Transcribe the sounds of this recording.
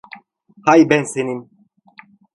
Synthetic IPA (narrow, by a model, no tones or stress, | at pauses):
hajbɛnsenim